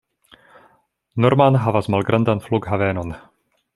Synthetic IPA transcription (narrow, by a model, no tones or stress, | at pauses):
noɾmanɦavasmalɡɾʔand̪anfluɡɦavɛːnon